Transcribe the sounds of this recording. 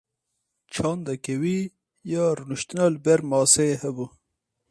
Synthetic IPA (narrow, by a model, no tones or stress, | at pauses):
t͡ʃʰɑnd̪akewi | jɑɾunuʃt̪nalbeɾmɑːsehəbu